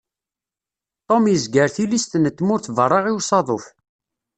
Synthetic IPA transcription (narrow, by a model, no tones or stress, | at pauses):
t̪ˤomjəzɡəɾθilist̪nət̪ːmʊɾθvərˤːɑʁiwsˤɑðˤof